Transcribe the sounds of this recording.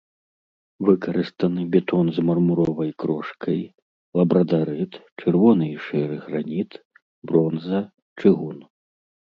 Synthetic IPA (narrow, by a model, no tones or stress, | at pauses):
vɨkɐɾɨst̪ɐnɨbʲɛt̪ɔnzmɐrmuɾɔvɐjkɾɔʂkʰɐj | lˠɐbɾɐd̪aɾɨt̪t͡ʂɛrvɔnɨʂɛɾɨɣɾanʲit̪ | bɾɔnzɐ | t͡ʂɨɣun